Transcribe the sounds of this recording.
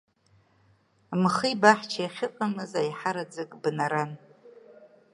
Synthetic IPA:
mχibaħt͡ʃʰajaχʲɪqʼamɨzajħaɾad͡zɨkʼbnaɾan

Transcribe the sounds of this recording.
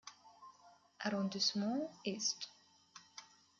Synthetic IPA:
aɾɔ̃d̪ismɑ̃est̪

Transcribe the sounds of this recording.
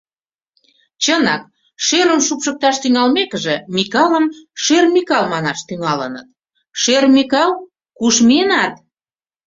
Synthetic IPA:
t͡ɕənɑk̚ | ʃeɾəmʃupʃək̚t̪ɑʃt̪yŋɑlmekəʒĕmikɑləmʃermʲikɑlmɑnɑʃt̪yŋɑlənə̰t̪̚ | ʃermikɑl | kuʃmenɑt̪

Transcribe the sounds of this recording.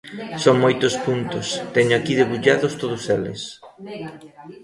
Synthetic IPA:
soŋmojt̪ʊspunt̪ʊst̪ɛɲʊakiðeβuʎaðʊst̪oðʊselɪ̰s

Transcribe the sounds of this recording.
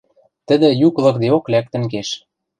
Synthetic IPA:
t̪ə̆d̪ɘ̆juklɤ̆k̚d̪eoklæk̚t̪ɘ̆ŋkeʃ

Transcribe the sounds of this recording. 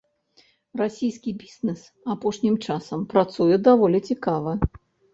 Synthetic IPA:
rasʲijskʲibʲiznɨs | apɔʂnʲimt͡ʂasɐmpɾat̪sujɛd̪avɔlʲit͡sʲikavɐ

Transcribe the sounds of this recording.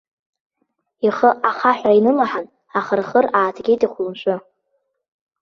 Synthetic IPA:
iχəʔaχaħʷainɨlaħan | aχərχəraːtʰɡʲejtʼiχʷlɨmʃʷʊ

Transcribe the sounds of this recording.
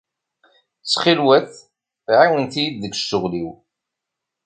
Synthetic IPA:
t͡sːχilwæθ | ʕiwənθijid̪ðəɡʃʊʁliw

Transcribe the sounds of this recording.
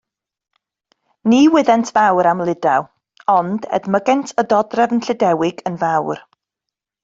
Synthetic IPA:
niːwɪðɛntʰvawɾamlˠɪdaw | ɔndɛ̰dməɡɛntʰədɔdrɛvənɬɪdɛwɪɡənvawr

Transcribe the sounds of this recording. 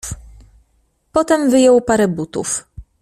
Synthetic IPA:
pɔt̪ɛmvɘjɔwpaɾɛbut̪ṵf

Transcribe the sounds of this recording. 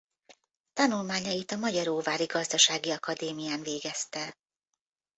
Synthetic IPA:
t̪ɒnulmaːɲɒjit̪ɒmɒɟɒɾoːvaːɾiɡɒzd̪ɒʃaːɡiɒkɒd̪eːmijaːnveːɡɛst̪ɛ

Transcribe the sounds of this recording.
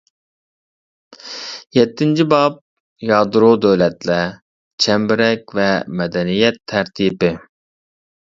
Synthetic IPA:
jɛt̪ʰːɪnt͡ʃʰibɑp̚ | jɑːd̪ɾod̪øwlɛt̪lɛ | t͡ʃʰɛmbɪɾɛkʲvɛmɛd̪ɛnijɛt̪ʰːɛɾt̪ʰipɪ

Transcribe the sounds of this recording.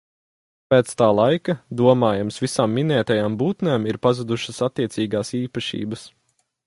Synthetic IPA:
pɛːt̪st̪aːlˠajkɐd̪uɔmaːjamsvisaːmːinɛːt̪ajaːmbuːt̪nɛːmiɾpazud̪uʃɐsat̪ːiɛtsiːɡaːsiːpɐʃḭːbɐs

